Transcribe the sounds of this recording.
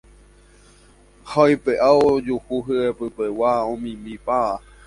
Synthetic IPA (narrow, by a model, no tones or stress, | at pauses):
hajpeʔaod͡ʒuhuɦɨepɨpewaõmĩmĩpaa